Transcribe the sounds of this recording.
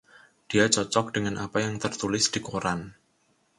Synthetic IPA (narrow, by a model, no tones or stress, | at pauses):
d̥iat͡ʃɔt͡ʃɔk̚d̥əŋanʔapajaŋt̪ərt̪ulɪsd̥ikoɾan